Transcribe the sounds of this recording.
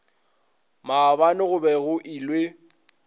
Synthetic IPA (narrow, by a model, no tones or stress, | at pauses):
mabanɪɣʊbɛɣʊʔilwe